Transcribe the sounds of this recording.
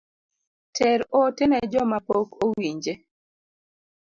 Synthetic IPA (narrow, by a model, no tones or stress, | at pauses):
tʰɛɾotɛnɛd͡ʒɔmapokowiɲd͡ʒe